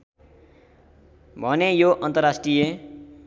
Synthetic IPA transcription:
bʱʌnejoʔʌnt̪ʌrasʈrije

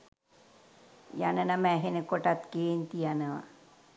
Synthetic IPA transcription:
janɐnamɛɦenekoʈat̪keːnt̪ijanaʋa̰

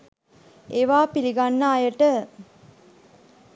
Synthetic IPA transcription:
eʋaːpiliɡanːaːjəʈə

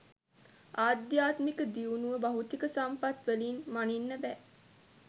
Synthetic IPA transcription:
aːd̪jaːt̪mikəd̪iunuʋəbaɦut̪ikəsampat̪ʋelinmaninːəbɛ

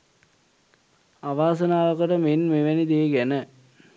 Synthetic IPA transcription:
aʋaːs̬ənaːʋəkəʈəmenmeʋænid̪eɡænə

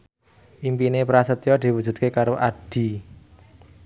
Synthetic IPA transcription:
ʔimpinepɾasət̪jɔd̪̥i̤wu̥d͡ʒ̥ṳt̪̚kekaɾoʔaɖ̥i̤

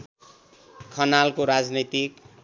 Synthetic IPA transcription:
kʰːʌnalkoɾad͡znit̪ik

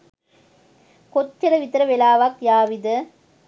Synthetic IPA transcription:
kɔt͡ʃːɐɾɐʋɪt̪ɾɐʋɛlaːʋaːkjaːʋiðɐ

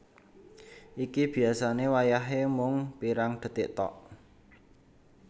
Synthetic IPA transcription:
ʔikib̥i̤asanewajaɦemʊŋpiɾaŋd̪̥ə̤t̪ɪʔt̪ɔ̰ʔ

